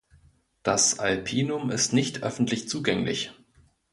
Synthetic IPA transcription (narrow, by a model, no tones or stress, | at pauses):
d̥asalpʰiːnʊmɪstnɪçtʰʔœ̰fn̩tʰlɪçt͡suːɡɛŋlɪ̰ç